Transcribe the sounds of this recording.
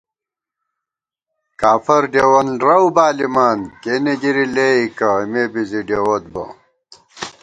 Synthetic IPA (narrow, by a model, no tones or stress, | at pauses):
kaːfɐɾɖeːwɐnɾɐwbaːlimaːnkeːneɡiɾileːikɐimeːbiziɖewɐt̪̚bɐ̰